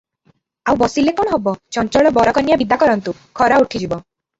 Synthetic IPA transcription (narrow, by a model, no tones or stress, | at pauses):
awbɔsilekɔɽ̃ɔɦɔbɔt͡ʃɔnt͡ʃɔɭɔbɔɾɔkɔnijabid̪akɔɾɔnt̪u | kʰɔɾauʈʰid͡ʒibɔ